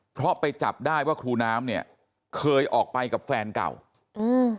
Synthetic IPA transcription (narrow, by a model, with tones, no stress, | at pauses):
pʰɾɔ˦˥pa˧jt͡ɕa˨˩p̚daː˥˩jwaː˥˩kʰɾuː˧naː˦˥mni˥˩ɐ | kʰɤː˧jʔɔː˨˩k̚pa˧jka˨˩p̚fɛː˧nka̰˨˩w | ʔɯː˧˩